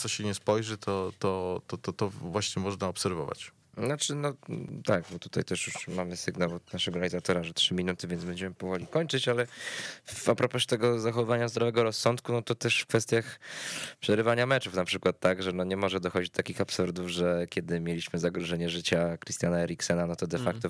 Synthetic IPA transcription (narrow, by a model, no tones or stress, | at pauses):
t̪sɔɕɛɲɛspɔjʐɘt̪ʰɔt̪ɔt̪ɔt̪ɔt̪ɔvwaɕɲɛmɔʐnaɔpsɛɾvɔva̰t͡ɕ | nat͡ʂɘnɔt̪aɡ̚bɔt̪u̥t̪ajt̪ɛʂjuʂmamɘsɘɡnawɔd̪naʂɛɡɔɾalʲizat̪ɔɾaʐɛtʂɘmʲinut̪ɘvʲjɛnzbɛɲd͡ʑɛmɘpɔvɔlʲikɔɲt͡ʂɘt͡ɕalɛfapɾɔpɔɕɛ̥t̪ɛɡɔzaxɔvvaɲazd̪ɾɔvɛɡɔɾɔsːɔnt̪̚kunɔt̪ɔt̪ɛʂfkfɛst̪ʲjaxpʂɛɾɘvaɲamɛt͡ʂufnapʂɘkwat̪ːaɡʐɛnɔɲɛmɔʐɛd̪ɔxɔɟd͡ʑid͡ʑd̪ɔt̪akʲixapsuɾd̪uvʐɛkʲɛd̪ɘmʲjelʲiɕmɘzaɡɾɔʐɛɲɛʐɘt͡ɕakɾɨst̪ʲjanaɛɾʲiksɛnanɔt̪ɔd̪ɛfak̚t̪ɔ